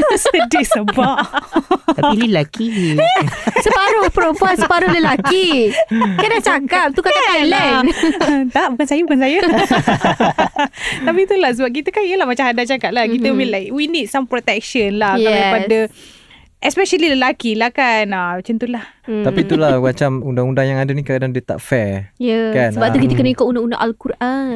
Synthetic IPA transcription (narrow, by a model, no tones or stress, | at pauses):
t̪usədɪʔsəbaʔ | t̪apiləlaki | səpaɾʊpɾopasəpaɾʊləlaki | kadat͡ʃakap̚t̪ukaaala | t̪aʔbukansajabukans̬aja | t̪apit̪ulahs̬əbap̚k̬it̪əkaniəlahmat͡ʃamhadat͡ʃakap̚lakit̪əmĩnlajkwinit̪̚sampɾot̪ɛk̚ʃənlahkaaipada | ʔɛspɛʃəliləlakilahkanat͡ʃənt̪ulah̪apit̪ulahmat͡ʃamundaŋundaŋjaŋadanikəkadandət̪a̰ʔfɛjəkanəbap̪ukit̪əkənaikaʔundaunda̰ŋʔalkuɾʔan